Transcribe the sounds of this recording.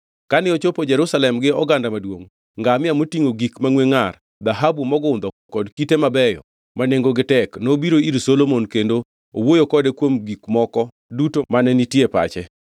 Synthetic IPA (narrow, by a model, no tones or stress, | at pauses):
kanɪot͡ʃopod͡ʒɛɾusalɛmɡɪɔɡandamadwoŋ | ŋɡamɪjamotiŋoɡikmaŋweŋar | d̪aɦabumɔɡʊnd̪ɔ | kɔdkitemabɛjɔ̰ | maneŋɡoɡɪtɛknobiɾoiɾsolomonkendo | owojokɔdekwomɡikmɔkɔ | dutomanɛnitjepa̰t͡ʃɛ